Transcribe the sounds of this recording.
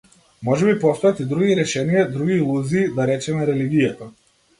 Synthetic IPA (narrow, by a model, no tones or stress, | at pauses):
mɔʒɛbipɔst̪ɔjat̪id̪ɾuɡiɾɛʃɛnijad̪ɾuɡiːlˠuziːd̪aɾɛt͡ʃɛmɛɾɛliɡijat̪a